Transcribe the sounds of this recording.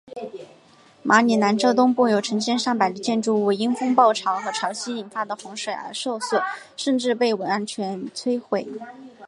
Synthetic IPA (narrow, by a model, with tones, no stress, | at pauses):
mʔa˧˥ni˨˩na˧˥nʈ͡ʂɤ˥t̪̬ʊ˥ŋpu˥˩jo˨˩ʊʈ͡ʂʰɤ˧˥ŋɕjɛ˥˧nʂɑ˥˩ŋpa˨˩ɪd̪ə˦t͡ɕjɛ˥˧nʈ͡ʂu˥˩we˧˥˩ɪi˥ŋfʊ˥ŋpɑ˥˩ʊʈ͡ʂʰɑ˧˥ʊxɤ˧˥ʈ͡ʂʰɑ˧˥ʊɕi˥i˨˩nfa˥d̪ə˩xʊ˧˥ŋʂwe˨˩ɪə̰˧˥ʂo˥˧ʊswɔ˥˩ʂə˥˧nʈ͡ʂɻ̩˥˧pe˥˩ɪwə˧˥na˥˩nt͡ɕʰɥɛ˧˥nt͡sʰwe˥ɪxwe˨˩ɪ